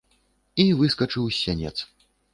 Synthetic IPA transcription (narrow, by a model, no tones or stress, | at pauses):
ivɨskɐt͡ʂɨwsʲanʲɛ̰t̪s